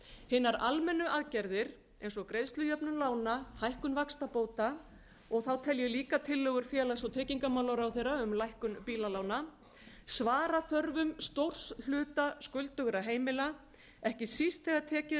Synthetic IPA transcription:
hɪnːaɾalmɛnːʏʔaðcɛɾðɪɾ̥ | ejnsɔkɾejðst̪lʏjœpnʏnlaːwnahajhkʏnvakst̪apoːwt̪a | ɔɣθawt̪ʰɛljɛliːkat̪ʰɪlːœɣʏɾ̥fjɛːlasɔwt̪ʰɛːciŋkamawlawɾawθejraʏmlajhkʏnpiːlalaːwna | svaːɾaθœɾvʏmst̪owr̥sl̥ʏːt̪askʏlt̪ʏɣʏɾaɦeːjmɪla | ɛhcɪsist̪θɛɣat̪ʰɛːcɪ

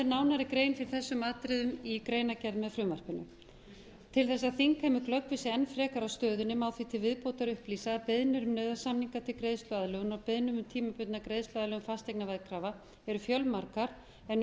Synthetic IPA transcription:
ɪɾnaːwnaɾɪkɾeːjnfɪɾɪ̥ɾθɛsːʏmaːt̪ɾɪðʏmikɾeːjnacɛɾðmɛðfɾʏːmar̥kɪnʏ̰ | t̪ʰɪlθɛsːaðθiŋkhamʏklœkvɪsɪɛnfɾɛːkaɾawst̪œːðʏnʏmawθvit̪ʰɪlvɪðpoːwt̪aɾʏhpliːsaðpɪðnʏɾʏmnœːðasamniŋkat̪ʰɪlkɾejðst̪lʏaðlœɣʏnɔpɪðnʏmʏmt̪ʰiːmapʏt̪nakɾejðst̪laðlœɣʏmfast̪ejknavɛðkʰɾaːva | ɛɾʏfjœlmaɾkaɾ̥ | ɛn

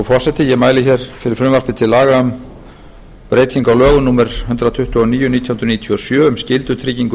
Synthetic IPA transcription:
ɔfɔrsɛt̪ɪjɛmaːjlɪçɛɾ̥fɪɾɪɾfɾʏmvar̥pɪt̪ʰɪlaːɣaʏm | pɾeːjt̪ʰiŋkawlœːɣʏnuːmɛɾ̥hʏnt̪ɾat̪ʰʏht̪ʏɔniːjʏnit̪ʰjahunɾʏniːt̪ʰiɔsjœːʏmscɪlt̪ʏt̪ʰɾiːciŋkʏ

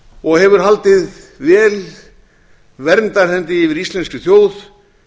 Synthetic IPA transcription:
ɔɣɦɛvʏɾ̥ɦalt̪ɪðvɛːl | vɛɾmt̪aɾ̥hɛnt̪ɪɪvɪɾist̪lɛnscʏθjoːwð

